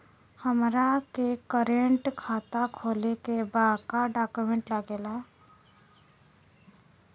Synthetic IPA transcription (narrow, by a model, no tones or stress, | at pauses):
həmɾakekəɾeɳʈkʰat̪akʰolekebakaɖakumeɳʈlaɡela